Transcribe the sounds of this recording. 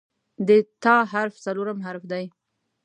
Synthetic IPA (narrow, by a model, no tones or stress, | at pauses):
d̪ət̪ɑɦaɾft͡saloɾamɦaɾfd̪aj